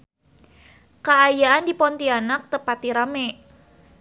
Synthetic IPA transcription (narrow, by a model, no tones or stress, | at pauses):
kaajaandipɔnt̪ianak̚t̪əpat̪iɾamɛ